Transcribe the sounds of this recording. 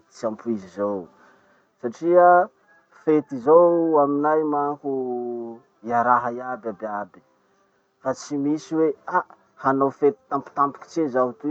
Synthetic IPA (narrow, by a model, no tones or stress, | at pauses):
t͡siampuizizow | saʈ͡ʂia | fet̪izowaminajmaku | jaɾaɦajabababi̥ | fat͡simisiweaʔ | hanowfet̪i̥t̪ampu̥t̪ampi̥ki̥t͡ʃezaɦt̪u